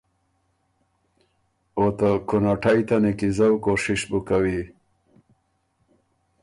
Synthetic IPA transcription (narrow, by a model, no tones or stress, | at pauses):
ot̪akunaʈajt̪anikizawkoʂiʃbukawi